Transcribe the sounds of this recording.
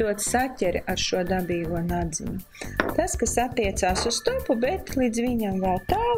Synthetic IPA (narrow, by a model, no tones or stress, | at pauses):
uɔt̪satʲɛɾaɾʃuɔd̪abiːvuɔnad̪zḭɲʲu | t̪askasat̪ːiɛt̪saːsusst̪ɔpubɛt̪lˠiːd̪zviɲamɡaːt̪aː